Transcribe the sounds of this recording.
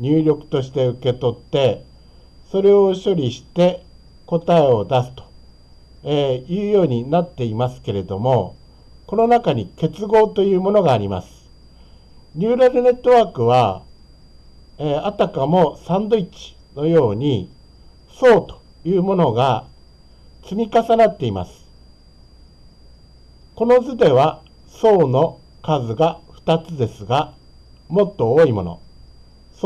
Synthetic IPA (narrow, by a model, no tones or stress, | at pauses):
ɲ̟ʲɨːɾʲo̞kɯ̟̥t̪o̞ɕ̬i̥t̪e̞ɯ̟ke̞t̪o̞t̪ːe̞ | so̞ɾe̞o̞ɕo̞ɾʲiɕi̥t̪e̞ | ko̞t̪ae̞o̞d̪asɨ̥t̪o̥ | ejɯ̟ːjo̞ːɲ̟inat̪ːe̞imasɨ̥ke̞ɾe̞d̪o̞mo̞ | ko̞no̞nakaɲ̟ike̞t͡sɨɡo̞ːt̪o̞jɯ̟ːmo̞no̞ɡaːɾʲima̰sɨ̥ | ɲʲɨːɾazɯne̞t̪ːo̞βaːkɯ̟βa | eːat̪akamo̞sãnd̪o̞it͡ɕi̥ | no̞jo̞ːɲ̟i | so̞ːt̪o̥ | jɯ̟ːmo̞no̞ɡa | t͡sɨmʲikasanat̪ːe̞ima̰sɨ̥ | ko̞no̞zɨd̪e̞βa | so̞ːno̞ | kazɨɡaɸɯ̥t̪at͡sɨd̪e̞sɨɡa | mo̞t̪ːo̞oːimo̞̰no̞̰